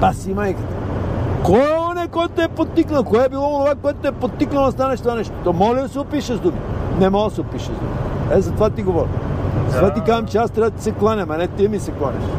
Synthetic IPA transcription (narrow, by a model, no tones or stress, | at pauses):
pasimajkət̪ɐ̥kojɔnɛkɔjt̪oɛpot̪ːiknɐlˠkoɛbilˠɔonovakoɛt̪oɛpot̪ːiknɐlˠɐst̪anɐʃt̪ovanɛʃt̪o̥t̪ɔmɔlʲid̪ɐsɛʊpiʃəzd̪uminɛmɔɡˠɐsɛopiʃɐzd̪ṵmiɛzɐt̪ovat̪iɡovɔɾḭvat̪ikazɐmt͡ʃɛast̪ɾavət̪əsɛklˠanʲɐmɐnɛt̪imisɛklˠanʲɐ̰ʃ